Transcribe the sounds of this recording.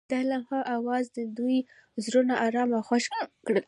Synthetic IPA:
d̪̥alamhaʔawɑzd̪əd̪uj | zɾonaʔɑɾɑmaxaʃkɽəl

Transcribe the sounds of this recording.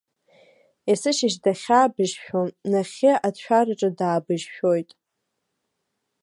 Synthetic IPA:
isɨʃɪʃdaχʲaːbɨʒʃᶣonaχʲɪʔadʃʷᶣarɨʈ͡ʂʼɨdaːbɨʒʃᶣojtʼ

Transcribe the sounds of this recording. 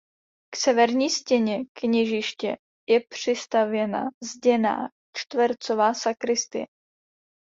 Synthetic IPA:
ksɛvɛɾɲiːscɛɲɛkɲɛʒɪʃcɛ | jɛpr̥ɪst̪avjɛna̰zɟɛna̰ː | t͡ʃt̪vɛɾt͡sovaːsakɾɪst̪ɪ̰jɛ

